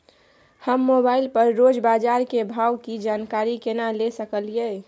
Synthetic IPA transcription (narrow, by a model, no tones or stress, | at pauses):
həmːobaːɪlpəɾːod͡ʒbaːd͡ʒaːɾkebʱaːwkid͡ʒaːnkaːɾikenalesəkəlie